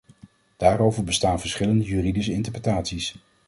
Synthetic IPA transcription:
d̥aːɾowvəɹbəstaːnvəɹsχɪləndəjyridisəɪntəɹprətaːtsis

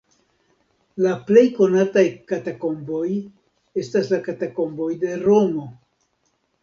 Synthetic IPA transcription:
laple̞jko̞natajkatako̞mbo̞j | e̞staslakatako̞mbo̞jde̞ɾo̞mo̞

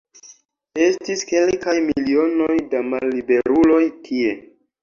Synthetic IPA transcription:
e̞stiske̞lkajmilio̞no̞jdamalːibe̞ɾulo̞jkʰie̞

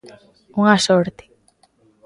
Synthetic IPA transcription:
uŋasoɾt̪e̥

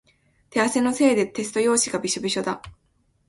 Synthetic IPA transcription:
t̪e̞ase̞no̞se̞ːd̪e̞t̪e̞sɨ̥t̪o̞jo̞ːɕiɡabʲiɕobʲiɕo̞d̪a

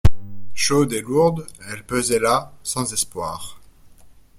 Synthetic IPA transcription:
ʃod̪eluʁd̪ɛlpøzɛlasɑ̃zɛspwa̰ːʁ

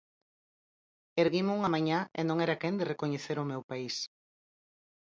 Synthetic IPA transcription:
eɾɣimuŋamaɲãḛnõŋɛɾakend̪erekoɲeθeɾʊmewpais

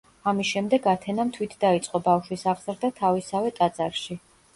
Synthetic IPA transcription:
amisʃɛmd̪ɛɡat̪ʰɛnamt̪ʰwit̪ʰd̪ait̪sʼqʼɔbafʃwisaʁz̥ɾd̪at̪ʰavisavɛt̪ʼad̪zʼaɾʃi

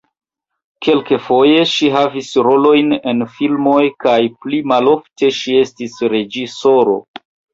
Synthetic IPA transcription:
ke̞lkefo̞je̞ʃiɦavisɾo̞lo̞jne̞nfilmo̞jkajplimalo̞fte̞ʃie̞stisɾe̞d͡ʒiso̞ɾo̞̰

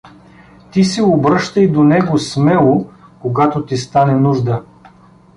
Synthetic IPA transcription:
t̪isɛobɾɤʃt̪əjd̪onɛɡosmɛlˠokoɡat̪ot̪ist̪anɛnuʒd̪ə

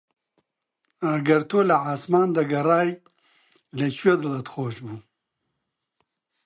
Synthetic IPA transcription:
ɐɡɐɾt̪ʰoːlɐʕaːsmɑːnd̪ɐɡɐɾɑːj | lɐt͡ʃwed̪alɐt̪xoːʃbu

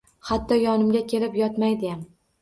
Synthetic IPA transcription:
hat̪ʰːɒjɒnɪmɡʲakʲʰe̞lɪpjɒt̪majd̪ɪjam

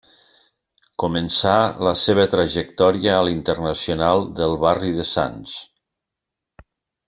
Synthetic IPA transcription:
kumənsaləseβət̪ɾəʒek̚t̪ɔɾiəːlint̪ərnəsionalˠd̪əlˠβariðəsa̰ns

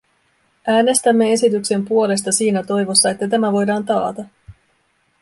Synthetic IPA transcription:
ʔæːne̞st̪æmːe̞e̞sit̪ykse̞mpuo̞le̞s̬t̪ɑsiːnæt̪o̞jʋo̞sːɑe̞t̪ːæt̪æmæʋo̞jdɑːnt̪ɑːt̪ɑ

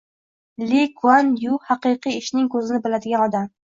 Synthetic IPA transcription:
lekʰuanjuhɑqɨjqɨjɪʃnɪŋkʰɵzɪnɪbɪlad̪ɪɡʲanɒd̪am

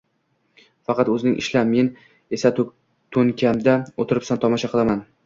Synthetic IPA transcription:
fɑqɑt̪ɵzɪnɪŋʔɪ̰ʃlame̞n | e̞sat | t̪ʰɵŋkʲʰamd̪aot̪ʰɪɾɪpsant̪ʰɒmɒʃaqʰɨlˠaman

